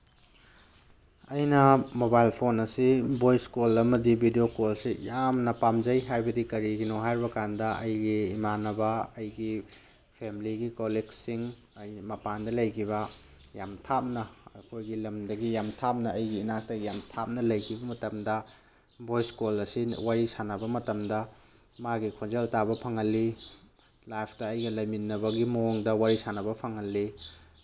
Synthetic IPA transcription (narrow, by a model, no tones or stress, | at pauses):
ɐjnɐmobajlpʰonɐsibojskolɐmɐdibʱidiokolsijamnɐpamzɐjɦajbɐdikɐɾiɡinoɦajɾibɐkandɐɐjɡiːmanɐbɐɐjɡi | pʰemiliɡikoleɡsiŋ | ɐjmɐpandɐlɐjkʰibɐ | ja̰mtʰap̚nɐɐkʰojɡilɐmdɐɡijamtʰap̚nɐɐjɡiːnak̚tɐɡijamtʰap̚nɐlɐjkʰibɐmɐtɐmdɐ | bʱojskulɐsiwaɾisanɐbɐmɐtɐmdɐ | maɡikʰonzeltabɐpʰɐŋɐlːi | lajpʰtɐːjɡɐlɐjminːɐbɐɡimɐoŋdɐwaɾisanɐβɐpʰɐŋɐlːi